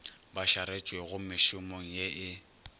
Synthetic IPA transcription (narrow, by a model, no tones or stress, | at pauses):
baʃaɾet͡ʃʼweɣʊmɪʃʊmoŋ̩jeʔɪ